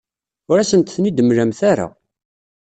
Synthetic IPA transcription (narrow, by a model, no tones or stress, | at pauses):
ʊɾæsənt̪θnid̪əmɾæmθaɾa̰